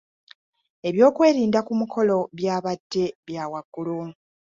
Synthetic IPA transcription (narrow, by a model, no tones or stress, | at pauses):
e̞βjo̞ːkwe̞ːɾiːndakumukʰo̞lo̞βjaːβad̥ːe̞βjaːwaɡ̥ːulu